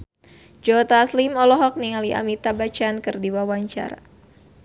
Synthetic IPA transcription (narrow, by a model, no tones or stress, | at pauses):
d͡ʒɔt̪aslimɔlɔɦɔk̚niŋaliʔa̰mit̪abat͡ʃankɨrdiwawaɲt͡ʃa̰ɾa̰